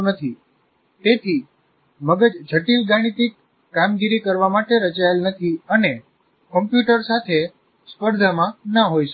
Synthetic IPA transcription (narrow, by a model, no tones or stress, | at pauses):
nət̪ʰi | t̪et̪ʰi | məɡəd͡ʒd͡ʒʱəʈilɡaɽ̃it̪ikː | amɡiɾikəɾʋamaʈeɾət͡ʃaelnət̪ʰiəne | kəmpjuʈəɾsat̪ʰe | spəɾd̪ʱəmãnəɦojʃ